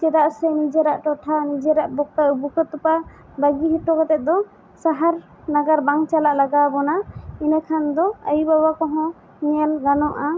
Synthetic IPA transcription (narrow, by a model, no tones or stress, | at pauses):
t͡ʃɛɾaʔsɛnid͡ʒɛɾaʔʈɔʈʰanid͡ʒɛɾaʔbɔk̪̚aubukɔt̪upa | baɡiɦiʈɔkɔt̪ɛt̪̚d̪ɔ | saɦaɾ | naɡaɾbaŋt͡ʃalaʔlaɡabɔnainakʰand̪ɔa̰jubabakɔɦɔ̃ | ɲɛlɡanɔʔa